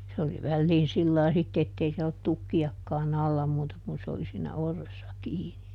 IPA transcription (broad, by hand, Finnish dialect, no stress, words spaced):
se oli ʋælːiːn silːɑi sitːe etːei siɛl olːut tukːiɑkːɑːn ɑlːɑ muːtɑ kun se oli siːnæ orːesːɑ kiːni